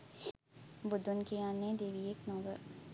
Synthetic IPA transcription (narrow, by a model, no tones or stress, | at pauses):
bʊd̪ʱːʊnkeaːnẽd̪eːʋieːknɔːɡə̰ɾ